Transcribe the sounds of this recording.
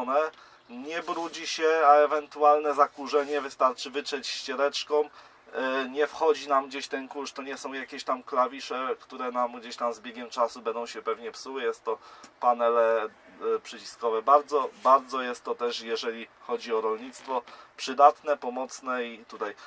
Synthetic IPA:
nɛ | ɲɛbɾud͡ʑiɕɛaɛvɛnt̪ualnɛzakuʐɛɲɛvɘst̪aɾt͡ʂɘvɘt͡ʂɛt͡ɕɕt͡ɕɛɾɛt͡ʂkɔ̃m | ɲɛfxɔd͡ʑinamɡd͡ʑeɕt̪ɛnkuʂt̪ɔɲɛsɔ̃w̃jakʲeɕt̪amklavʲiʂɛkt̪uɾɛnamɡd͡ʑeɕt̪amzbʲjeɡʲɛmt͡ʂasubɛnd̪ɔ̃w̃ɕɛpɛvɲɛpsuwɘjɛst̪ːɔpanɛlɛ | pʂɛt͡ɕi̥skɔvɛbaɾd̪zɔbaɾd̪zɔjɛst̪ːɔt̪ɛʂjɛʐɛlʲixɔd͡ʑiɔɾɔlɲit̪st̪fɔpʂɘd̪at̪nɛpɔmɔt̪snɛit̪ut̪aj

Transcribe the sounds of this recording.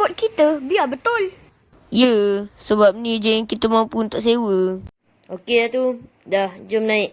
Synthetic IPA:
ɔt̪̚kit̪əbiabət̪ʊl | jəsəbap̚nĩd͡ʒɛŋkit̪əmãũpunt̪aʔs̬ewə | okedat̪u | dahd͡ʒomnãɪʔ̚

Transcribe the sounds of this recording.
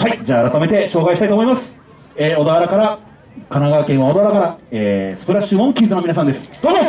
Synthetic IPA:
haid͡ʑaːaɾat̪ame̞t̪e̞ɕo̞ːkaiɕit̪ait̪oːmo̞imasɨ̥ | eːo̞d̪aβaɾakaɾa | kanaɡakẽ̞ɰ̃βao̞d̪aβaɾakaɾaeːsɨ̥pɯ̟ɾaɕːimõŋkʲiːt̪ono̞mʲinas̬ãnd̪e̞sɨ̥d̪oːno

